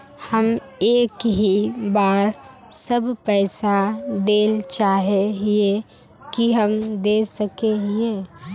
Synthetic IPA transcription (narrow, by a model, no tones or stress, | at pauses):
həm | eːkɦibaːɾ | səbpɛːsad̪eːlt͡ʃaːɦeɦie | kiɦəmd̪eːsəkeɦieː